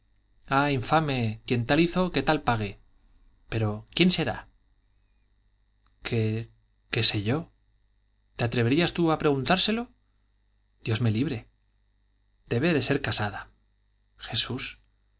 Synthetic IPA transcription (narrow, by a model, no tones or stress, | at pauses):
aiɱfame̞kje̞nt̪aliθo̞ke̞t̪alpaɣe | pe̞ɾo̞kje̞nse̞ɾa̰ | kʰe̞ | ke̞se̞ʝo̞ | t̪e̞at̪ɾe̞βeɾiast̪uapɾe̞ɣunt̪aɾse̞lo̞ | d̪̥jo̞zme̞liβɾe̞ | d̪̥e̞βe̞ðe̞se̞ɾkasaða | xe̞sus